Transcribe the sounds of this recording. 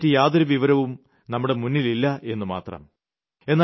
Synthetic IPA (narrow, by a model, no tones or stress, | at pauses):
tːɨjaːðoɾuʋiʋɐɾɐʋum | nɐmːuɽe̞munːililːɐʔe̞nːuma̰ːt̪rɐ̰m | e̞nː